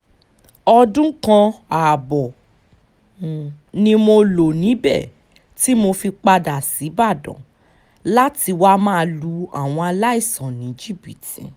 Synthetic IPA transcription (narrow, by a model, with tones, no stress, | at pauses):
ɔ˧dũ˦kã˧a˨bɔ˨ | nĩ˧mo˧lo˨nĩ˨˦bɛ̰˦˨ | ti˦mo˧fi˧k͡pa˧da˨si˨˦ba˦˨dɔ̰̃˨ | la˦ti˧wa˦mãː˦˨˧lu˧a˦˨w̃ɔ̃˧a˧la˦i˦˨sɔ̃˨nĩ˨˦d͡ʒi˦bi˨tĩ˨